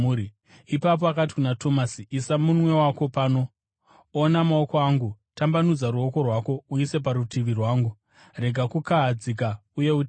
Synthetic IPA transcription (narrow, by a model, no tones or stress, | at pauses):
ɾi | ipap̬oakat̬i̥kunatʰo̞masiʔisamunwe̞wako̞pano̞ | onamao̞koaŋɡu | tambanud͡zaɾuo̞ko̞rwako̞uise̞p̬aɾutʰiʋirwaːŋɡu | re̞ɡʱakukaɦad͡zik̬auje̞uti